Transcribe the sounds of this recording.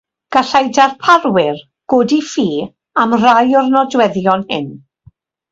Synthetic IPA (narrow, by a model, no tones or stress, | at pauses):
ɡ̥aɬajdarpʰaɾwɪr | ɡ̥oːdifiː | amrajɔrnɔdwɛðjɔnhɪ̰n